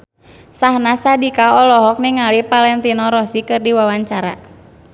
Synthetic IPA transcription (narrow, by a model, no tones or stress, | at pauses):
sahnasadikaɔlɔɦɔk̚niŋalipalɛnt̪inɔɾɔsikɨrdiwawaɲt͡ʃaɾa̰